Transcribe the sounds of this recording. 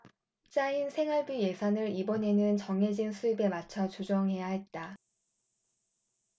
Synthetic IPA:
t͡ɕ͈ainsʰe̞ŋɦaɭbije̞sʰanɯɾibʌne̞nɯnt͡ɕʌŋɦe̞d͡ʑinsʰuibe̞mat͡ɕʰʌt͡ɕud͡ʑʌŋɦe̞jaɦe̞t̚t͈a

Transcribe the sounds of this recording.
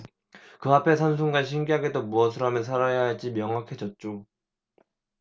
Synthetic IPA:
kɯɦapʰe̞sʰʌnsʰuŋɡanɕ̬ʰiŋɡiɦaɡedomuʌs̬ʰɯɾamjɯs̬ʰaɾajaɦat͡ɕ͈imjʌŋakʰe̞d͡ʑʌt̚t͡ɕ͈o

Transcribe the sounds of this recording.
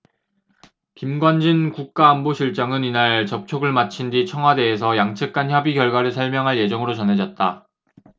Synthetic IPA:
kimɡwand͡ʑinkuk̚k͈aːnboɕʰiɭt͡ɕ͈aŋɯninaɭt͡ɕʌp̚t͡ɕʰoɡɯɭmat͡ɕʰindit͡ɕʰʌŋɦwade̞es̬ʰʌjaŋt͡ɕʰɯk̚k͈ançjʌbiɡjʌɭɡwaɾɯɭsʰʌɭmjʌŋɦaɭje̞d͡ʑʌŋɯɾot͡ɕʌnɦe̞d͡ʑʌt̚t͈a

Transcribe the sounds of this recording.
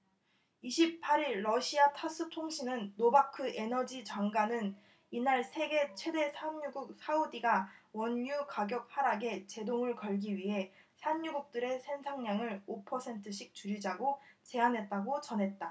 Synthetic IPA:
iɕʰippʰaɾiɭːʌɕʰiatʰas͈ɯtʰoŋɕʰinɯnːobakʰɯʔenʌd͡ʑit͡ɕaŋɡanɯn | inaɭsʰe̞ɡe̞t͡ɕʰwe̞de̞sʰamɲuɡuk̚sʰaudiɡawʌnːukaɡjʌk̚haɾaɡe̞t͡ɕe̞doŋɯɭkʌɭɡiɥiɦe̞ | sʰamɲuɡuk̚t͈ɯɾe̞sʰe̞nsʰaŋɲaŋɯɭopʰʌsʰe̞ntʰɯɕ̬ʰik̚t͡ɕuɾid͡ʑaɡot͡ɕe̞anɦe̞t̚t͈aɡot͡ɕʌnɦe̞t̚t͈a

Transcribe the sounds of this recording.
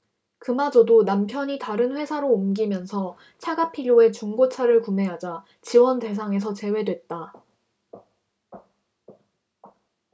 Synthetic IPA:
kɯmad͡ʑʌdonampʰjʌɲitaɾɯnɸwe̞sʰaɾoːmɡimjʌnsʰʌ | t͡ɕʰaɡapʰiʎjoe̞t͡ɕuŋɡot͡ɕʰaɾɯɭkume̞ɦad͡ʑa | t͡ɕiwʌnte̞s̬ʰaŋe̞s̬ʰʌt͡ɕe̞we̞dwe̞t̚t͈a

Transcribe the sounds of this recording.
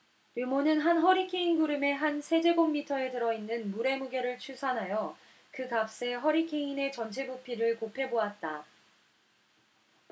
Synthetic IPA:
jumonɯnɦanɦʌɾikʰeinɡuɾɯme̞ɦansʰe̞d͡ʑe̞ɡomːitʰʌe̞tɯɾʌinːɯnmuɾe̞muɡeɾɯɭt͡ɕʰusʰanɦajʌ | kɯkap̚s͈e̞ɦʌɾikʰeine̞t͡ɕʌnt͡ɕʰebupʰiɾɯɭkopʰe̞boat̚t͈a

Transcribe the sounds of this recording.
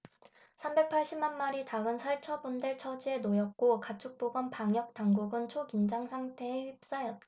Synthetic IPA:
sʰambe̞k̚pʰaɭɕ͈imanmaɾitaɡɯnsʰaɭt͡ɕʰʌbundeɭt͡ɕʰʌd͡ʑienojʌk̚k͈okat͡ɕʰuk̚p͈oɡʌnpaŋjʌk̚taŋɡuɡɯnt͡ɕʰokind͡ʑaŋsʰaŋtʰe̞ːɸip̚s͈ajʌt̚

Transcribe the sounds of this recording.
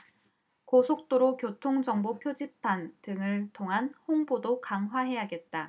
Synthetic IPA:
kosʰok̚t͈oɾokjotʰoŋd͡ʑʌŋbopʰjod͡ʑipʰantɯŋɯɭtʰoŋɦanhoŋbodokaŋɦwaɦe̞jaɡe̞t̚t͈a

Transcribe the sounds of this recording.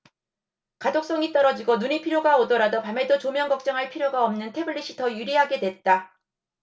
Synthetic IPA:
kadok̚s͈ʌŋit͈ʌɾʌd͡ʑiɡonuɲipʰiɾjoɡaodʌɾadopame̞dot͡ɕomjʌŋɡʌk̚t͡ɕ͈ʌŋɦaɭpʰiɾjoɡaʌmnɯntʰe̞bɯɭːiɕ͈ʰitʰʌjuɾiɦaɡe̞dwe̞t̚t͈a

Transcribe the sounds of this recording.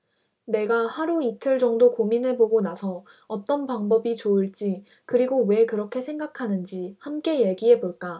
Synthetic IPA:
ne̞ɡahaɾuitʰɯɭd͡ʑʌŋdokominɦe̞boɡonasʰʌː | t͈ʌnpaŋbʌbit͡ɕoɯɭt͡ɕ͈i | kɯɾiɡowe̞kɯɾʌkʰe̞sʰe̞ŋɡakʰanɯnd͡ʑihamk͈e̞jeɡiɦe̞boɭk͈a

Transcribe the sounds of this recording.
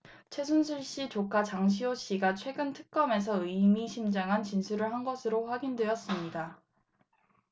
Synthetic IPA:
t͡ɕʰwe̞s̬ʰunsʰuɭɕ͈it͡ɕokʰat͡ɕaŋɕ̬ʰioɕ͈iɡat͡ɕʰwe̞ɡɯntʰɯ̥k̚k͈ʌme̞s̬ʰʌɯjmiɕʰimd͡ʑaŋɦant͡ɕinsʰuɾɯɭɦanɡʌsʰɯɾoɸwaɡindwe̞ʌs͈ɯmɲida

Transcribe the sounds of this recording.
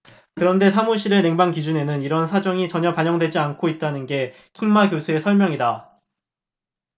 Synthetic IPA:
kɯɾʌnde̞sʰamuɕ̬ʰiɾene̞ŋbaŋkid͡ʑune̞nɯniɾʌnsʰad͡ʑʌŋit͡ɕʌɲʌpaɲʌŋdwe̞d͡ʑiankʰoit̚t͈anɯnɡe̞ | kʰiŋmaɡjosʰue̞sʰʌɭmjʌŋida

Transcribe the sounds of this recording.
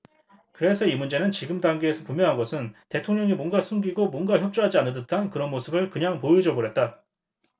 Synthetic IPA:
kɯɾe̞sʰʌimund͡ʑe̞nɯnt͡ɕiɡɯmdaŋɡeːsʰʌpumjʌɦanɡʌsʰɯnte̞tʰoŋɲʌŋimwʌnɡasʰuŋɡiɡomwʌnɡaçjʌp̚t͡ɕ͈uɦad͡ʑianɯdɯtʰankɯɾʌnmosʰɯbɯɭkɯɲaŋpojud͡ʑʌboɾet̚t͈a

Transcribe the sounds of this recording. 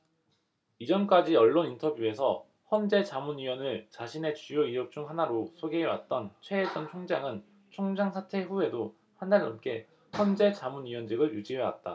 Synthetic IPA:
id͡ʑʌmk͈ad͡ʑiʌɭːonintʰʌbjue̞sʰʌ | hʌnd͡ʑe̞t͡ɕamunɥiwʌnɯɭt͡ɕaɕʰine̞t͡ɕujoiɯp̚t͡ɕ͈uŋɦanaɾosʰoɡe̞ɦːwa̰t̚t͈ʌnt͡ɕʰwe̞ːd͡ʑ͈ʌnt͡ɕʰoŋd͡ʑaŋɯn | t͡ɕʰoŋd͡ʑaŋsʰatʰe̞ɸue̞do | handaɭːʌmk͈e̞ | hʌnd͡ʑe̞t͡ɕamunɥiwʌnd͡ʑɯɡɯɭjud͡ʑiɦewa̰t̚t͈a̰

